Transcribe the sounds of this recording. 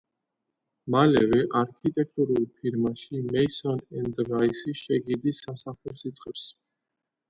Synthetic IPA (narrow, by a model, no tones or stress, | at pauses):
malɛvɛʔaɾkʰit̪ʼɛk̚ʰt̪ʼuɾulˠpʰiɾmaʃimɛisɔnɛnd̪ɾaisiʃɛɡid̪isamsaχuɾsit̪sʼqʼɛps